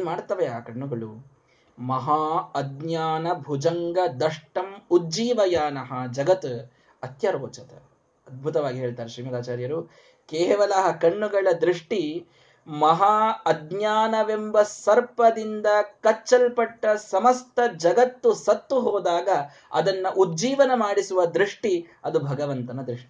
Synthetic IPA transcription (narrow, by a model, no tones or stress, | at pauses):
nmaːɽt̪ɐʋeaːkɐɳːuɡɐɭu | mɐɦaːɐd̪ɲjaːnɐbʱud͡ʒɐŋɡɐd̪ɐʂʈɐmudd͡ʒiːʋɐjaːnɐɦɐd͡ʒɐɡɐt̪ | ɐt̪jɐɾɡoːt͡ʃɐt̪ɐ̰ | ɐd̪̚bʱut̪ɐʋaːɡiɦe̞ːɭt̪aːɾeʃɾiːmɐd̪aːt͡ʃaːɾjɐɾu | keːʋɐlɐɦɐkɐɳːuɡɐɭɐd̪ɾiʂʈi | mɐɦaɐd̪ɲaːnɐʋembɐsɐɾpɐd̪ind̪ɐkɐt͡ʃːɐlpɐʈːɐsɐmɐst̪ɐd͡ʒɐɡɐt̪ːusɐt̪ːuɦoːd̪aːɡɐ | ɐ̰d̪ɐnːɐʔud̪d͡ʒiːʋɐnɐmaːɽisuʋɐd̪ɾiʂʈiɐd̪ubʱɐɡɐʋɐnt̪ɐnɐd̪ɾiʂʈi